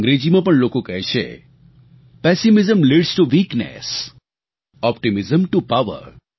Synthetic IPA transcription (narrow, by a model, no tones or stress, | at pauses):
ŋɡɾed͡ʒimãpəɳlokokəɦɛʃʰḛ | pɛsimɪzəmliɖsʈuʋiːknḛs | ɔpʈimɪzəmʈupaʋə̰ɾ